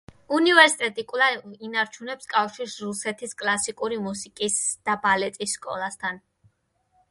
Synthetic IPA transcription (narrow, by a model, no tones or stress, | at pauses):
univɛɾsit̪ʼɛt̪ʼikʼulˠainaɾt͡ʃʰunɛpskʼafʃiɾsɾusɛt̪ʰiskʼlˠasikʼuɾimusikʼisd̪̥abalɛt̪ʼisːkʼɔ̰lˠast̪ʰan